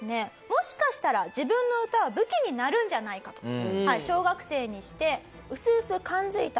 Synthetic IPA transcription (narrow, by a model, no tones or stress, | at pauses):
ne̞ | mo̞ɕi̥kaɕi̥t̪aɾad͡ʑibɯ̟̃nːo̞ɯ̟t̪aβabɯ̟kʲiɲ̟inaɾɯ̟̃ɲ̟d͡ʑanaikḁt̪o̞̥haiɕo̞ːɡakɯ̟̥se̞ːɲ̟iɕi̥t̪e̞ | ɯ̟sɨsɨkãnd͡zɨit̪a